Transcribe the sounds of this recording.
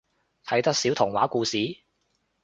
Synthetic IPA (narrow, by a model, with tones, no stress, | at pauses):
t̪ʰɐ˨˥jt̪ɐ˥k̚siː˨˥wt̪ʰʊ˨˩ŋwa̰ː˨˥kuː˧siː˨˥